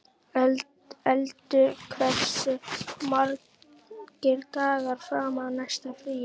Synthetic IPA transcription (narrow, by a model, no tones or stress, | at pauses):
ɛlt̪ʏkʰɾɛsmaɾ | kɪɾt̪aːɣaɾfɾaːmanaʃt̪afɾiː